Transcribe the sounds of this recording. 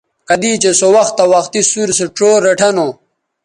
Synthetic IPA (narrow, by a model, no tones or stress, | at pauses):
kɐd̪it͡ɕesowɐxt̪ːawaxt̪isuɾseʈoːɾːeʈʰɐno